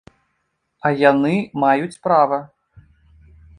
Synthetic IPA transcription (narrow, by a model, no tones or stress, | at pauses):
ɐjanɨmajut͡sʲpɾavɐ